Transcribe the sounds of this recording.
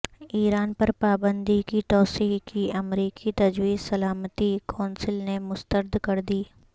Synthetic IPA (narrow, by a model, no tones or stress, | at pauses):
iːɾaːnpɐɾpaːbə̃nd̪ikit̪ɔːsiːɦkiɐmɾiːkʰit̪ɐd͡ʒwiːzsɐlaːmət̪ikʰɔːnsɪlnemʊst̪əɾd̪kɐɾd̪iː